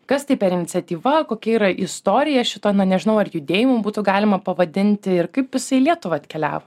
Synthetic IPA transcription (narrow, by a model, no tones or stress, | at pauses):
kɐst̪ɐɪpʲɛɾɪnʲɪt̪sʲɛt̪ʲiːʋɐkoːkʲɛiːɾɐʔɪst̪oːɾʲɪjɛʃʲɪt̪oːnɐnʲɛʒʲɪnɐʊɐɾjʊd̪ʲeːjɪmobuːt̪ʊɡɑːlʲɪmɐpɐʋɐd̪ʲɪnʲt̪ʲɪɪɾkɐɪpjɪsɐɪlʲiɛt̪ʊʋɐɐt̪ʲkʲɛlʲæ̰ːʋo